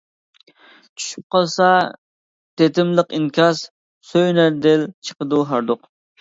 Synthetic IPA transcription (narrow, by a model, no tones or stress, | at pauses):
t͡ʃʰy̥ʃyp̚qɑlˠsɑ | t̪ʰet̪ʰɪmlˠəqinkʲʰɑs | søjnæɾd̪ɪlt͡ʃʰə̥qəd̪uɦɑɾd̪ʊq